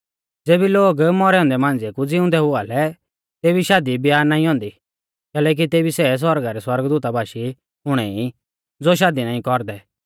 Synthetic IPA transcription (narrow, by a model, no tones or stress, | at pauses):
d͡zeːbiloːɡmɔɾɛɔ̃ːnd̪ɛmãːnd͡zekud͡zɪʊ̃nd̪ɛɦʊaːlɛ | t̪eːbiʃaːd̪ibɪjaːɾnaːĩɦɔ̃ːnd̪i | kɛːlɛːk̬it̪eːbisɛs̬wɔɾɡaɾɛswɐɾɡd̪uːt̪abʱaːʃi | ʊɽ̃ɛi | d͡zoʃ̬aːd̪inaːĩkɔɾd̪ɛ